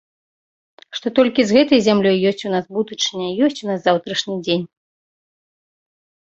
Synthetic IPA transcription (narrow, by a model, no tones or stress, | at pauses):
ʂt̪ɔt̪ɔlʲkʲizɣɛt̪ɐjzʲamlʲɔjːɔsʲt͡sʲunasbud̪ɨt͡ʂnʲɐjijɔsʲt͡sʲunaszawt̪ɾɐʂnʲid͡zʲenʲ